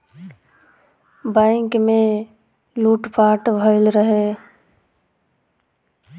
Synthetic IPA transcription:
bɛ̃ːŋkmẽ | luːʈpaːʈbʱəɪlɾəɦe

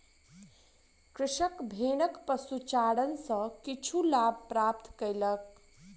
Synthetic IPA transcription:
kɾɪʃəkbʱenəkpəsut͡ʃaɽənsə̃kit͡ʃʰulab̚ʱpɾap̚t̪kəjlək̚

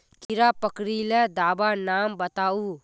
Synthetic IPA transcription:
k̪iɾapəkɾiled̪aːbanaːmbət̪aːu

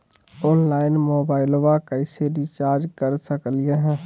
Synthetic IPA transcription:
ɔːnlaːɪnmoːbaːɪloʋakəɪseɾit͡ʃaːɾd͡ʒkəɾsəklijaɦɛ̃ː

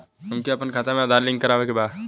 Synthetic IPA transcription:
ʊmkiɐpənkʰaːt̪amẽd̪aːɾlɪ̃ŋɡkəɾaːʋekebaːd̪

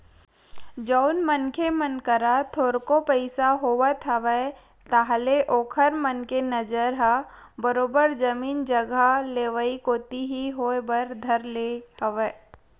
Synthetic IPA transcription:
d͡ʒɔʊnmənkʰemənkəɾat̪ʰoːɾkopəɪsaɦoːʋət̪ʰəʋə | t̪aɦleʔoːkʰəɾmənkenɐd͡ʒəɾɦabəɾoːbəɾd͡ʒɐmiːnd͡ʒəɡaleːʋəikoːt̪iɦiɦoebəɾd̪ʱɐɾlehɐʋəː

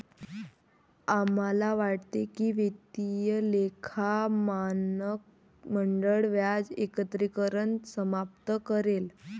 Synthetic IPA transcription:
amalaʋaʈt̪ekiːʋet̪t̪ijəlekʰaman | məɳɖəɭʋjad͡zekət̪ɾikəɾəɳsəmap̚t̪əkəɾel

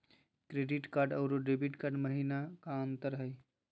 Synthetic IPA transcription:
kɾeːɖiʈkaːɾɖɔːɾoɖeːbiʈkaːɾɖməɦiːnakaə̃nt̪əɾɦəj

